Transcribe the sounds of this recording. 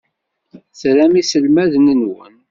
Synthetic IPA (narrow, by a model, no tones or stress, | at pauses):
θɾæmisəlmæðənənwən